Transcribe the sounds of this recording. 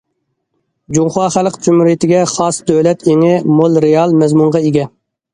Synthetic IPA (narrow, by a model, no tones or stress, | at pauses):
d͡ʒuŋχɑːχælˠqt͡ʃ̪ʰymuɾit̪ʰɪɡʲɛχɑsd̪øwlɛt̪ʰeŋɪmolˠɾejɑlˠmɛzmuŋʁɑeɡʲɛ